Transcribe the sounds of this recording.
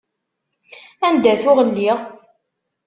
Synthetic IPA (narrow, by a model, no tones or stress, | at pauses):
ænd̪æθʊʁənːiʁ